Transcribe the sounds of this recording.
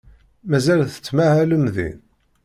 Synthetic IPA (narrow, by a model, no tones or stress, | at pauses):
mæzælθə̥t͡sːmæhæləmðḭn